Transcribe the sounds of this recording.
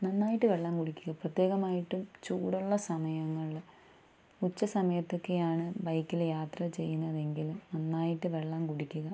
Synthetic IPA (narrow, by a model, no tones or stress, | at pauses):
nɐnːaːjiʈːɨʋeɭːaːmkuɽikʲːuɣɐprɐt̪ːje̞ːɣɐmaːjiʈːumt͡ɕuːɽuɭːɐsɐmɐjɐŋːɐɭ | ut͡ɕːɐsɐmɐjɐt̪ːo̞kːe̞jaːɳɨbɐjkːiljaːt̪rɐt͡ɕe̞jːunːɐðe̞ŋɡilumnɐnːaːjiʈːɨʋe̞ɭːaːmkuɽikʲːuɣɐ